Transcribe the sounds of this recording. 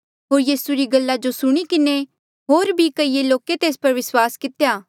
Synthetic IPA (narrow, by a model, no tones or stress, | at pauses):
ɦoːɾjiːsuɾiɡɐlːad͡ʒosʊɽ̃ikɪne | ɦoːɾbʱikɐiːeloːket̪eːspɐɾʋɪswaːskɪt̪ejaː